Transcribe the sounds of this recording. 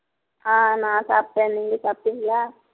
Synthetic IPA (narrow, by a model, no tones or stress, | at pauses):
aːnãːsaːp̚ʈẽːnniŋɡɐsaːp̚ʈiŋɡlaː